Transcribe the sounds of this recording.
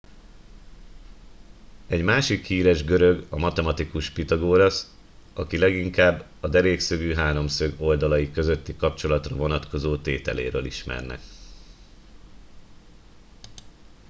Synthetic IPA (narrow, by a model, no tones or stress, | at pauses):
ɛɟmaːʃikhiːɾɛʒɡøɾø̞ɡɒmɒt̪ɛmɒt̪ikuʃpit̪ɒɡoːɾɒs | ɒkilɛɡiŋkaːbː | ɒd̪ɛɾeːksøɡyːɦaːɾo̞msøɡo̞ld̪ɒlɒjikø̞zø̞t̪ːikɒpt͡ʃo̞lɒt̪rɒvo̞nɒt̪ko̞zoːt̪eːt̪ɛ̰lḛːɾø̰ːliʃmɛ̰rnɛ̰k